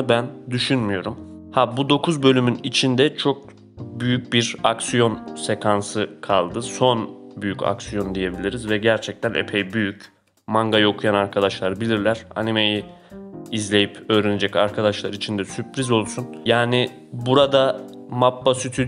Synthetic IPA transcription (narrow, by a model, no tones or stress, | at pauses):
bænd̪yʃynmyjo̞ɾum | habud̪o̞kʰuzbø̞lʲymynit͡ʃʰind̪ɛt͡ʃʰo̞k̚ | byjyc̚biɾaksijo̞nse̞kʰansɯkʰalˠd̪ɯso̞nbyjyca̰ksijo̞nd̪ije̞bilʲiɾizvɛɟæɾt͡ʃʰɛc̚t̪ʰænʔḛpʰejbyjyc | maŋɡajo̞kʰujanaɾkʰad̪aʃlˠaɾɯbilʲiɾlʲæɾ̥a̰nime̞ji | izlʲe̞jipø̞ːɾened͡ʒɛcaɾkʰad̪aʃlˠaɾit͡ʃʰind̪ɛsypʰɾizo̞lˠsunjaːni | buɾad̪a | mapːasyt̪ʰy